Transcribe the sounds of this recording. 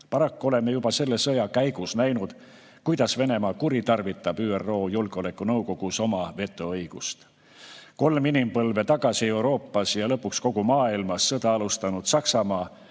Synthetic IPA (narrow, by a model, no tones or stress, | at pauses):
pɑɾɑkːuole̞mːejub̥ɑse̞lːesɤjɑkæjɡ̥usnæjnud̪̥ | kujd̪̥ɑsve̞ne̞mɑːkuɾit̪ɑrvit̪ːˑɑb̥yːerːo̞ːjulɡ̥o̞le̞kːˑunɤwko̞ɡ̥uso̞mɑve̞t̪ːˑuɤjɡ̥ust̪ | ko̞lminimpɤlve̞t̪ɑɡ̥ɑsie̞wɾo̞ːpˑːɑsjɑlɤpːˑuksko̞ɡ̥umɑːilmɑsːɤd̪ɑɑlust̪ɑnud̪̥sɑksɑmɑː